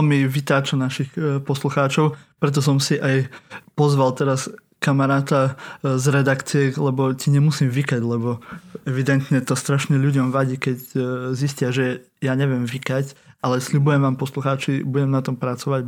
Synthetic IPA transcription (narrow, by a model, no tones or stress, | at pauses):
lmiʋit̪aːt͡ʃɔnaʃixpɔsluxaːt͡ʃɔʊpɾɛt̪̬ɔs̬ɔmsiʔajpɔzʋalt̪ɛɾas | kamaɾaːt̪azɾɛd̪akt͡siɛlɛbɔciɲɛmusiːmʋikaɟlɛbɔɛʋid̪ɛnt̪ɲɛt̪ɔst̪ɾaʃɲɛʎuɟɔmʋaɟiːkɛcziscɪaʒɛ | jaːɲɛʋɪɛmʋikacʔalɛsʎubujɛmʋaːmpɔsluxaːt͡ʃibuɟɛmnat̪ɔmpɾat͡sɔʋaɟ